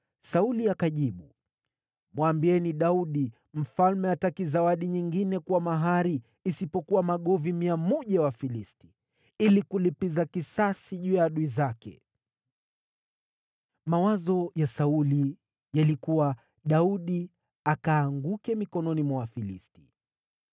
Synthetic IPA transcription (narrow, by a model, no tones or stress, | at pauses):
sauliakaʄiɓu | mwambiɛniɗauɗi | m̩falmɛatakizawaɗiɲiŋɡinɛkuwamaɦaɾiː | sipɔkuwamaɠɔvimiamɔʄawafilisti̥ | ilikulipizakisasiʄujaaɗuizakɛ̰ | mawazɔjasauli | jalikuwa | ɗauɗi | akaːŋɡukɛmikɔnɔnimwawafilḭsti̥